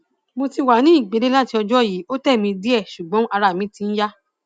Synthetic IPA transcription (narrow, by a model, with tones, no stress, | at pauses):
mo˧ti˧wa˨˦nĩ˨˦i˦˨ɡ͡be˨˧ɾe˦la˦ti˧ɔ˧d͡ʒɔ˦˨ji˨˦o˦tɛ˦˨mĩ˧di˦ɛ˦˨ʃu˨ɡ͡bɔ̃˨˦a˧ɾa˧˨mĩ˨˦tĩ˧˦n̩˦ja˦